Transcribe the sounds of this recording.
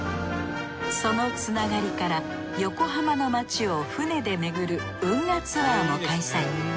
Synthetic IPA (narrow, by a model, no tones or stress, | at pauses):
so̞no̞t͡sɨnaɡaɾʲikaɾa | jo̞ko̞ɦamano̞mat͡ɕio̞ɸɯ̟ne̞d̪e̞me̞ɡɯ̟ɾɯ̟ | ɯ̟̃ŋːat͡sɨaːno̞kaisai